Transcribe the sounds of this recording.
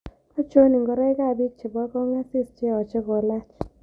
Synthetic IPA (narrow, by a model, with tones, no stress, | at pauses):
ɔ˦t͡ʃo˦ni˨ŋɡɔ˨ɾɛ˦jka˦˨bi˦t͡ʃɪ˨bɔ˦kɔ˦ŋa˦sɪ˦st͡ʃe˦˨ɔ˨t͡ʃɪ˦kɔ˨la˦t͡ʃ